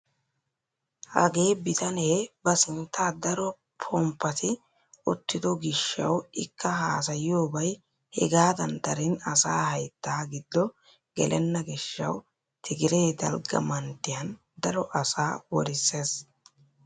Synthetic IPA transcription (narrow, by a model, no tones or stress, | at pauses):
ʔɐ̰ɡe̞ːbɪt̪ɐneːbɐsɪnt̪ːaːd̪ɐɾɔ | pʰɔmpːɐt̪ɪ | ʊt̪ːɪd̪ɔɡɪʃːɐ̰wɪkːɐɦaːs̬ɐjɪjo̞ːbɐj | hɛ̰ɡaːd̪ɐnd̪ɐɾɪnɐsaːhɐjt̪ːaːɡɪd̪ːɔ | ɡɛ̰lʔɛnːɐɡɪʃːɐ̰w | t̪ʰɪɡɪɾeːd̪ɐ̰lɡɐ̰mɐnt̪ːɪjɐn | d̪ɐɾɔʔɐsaːwɔɾɪsːe̞ːs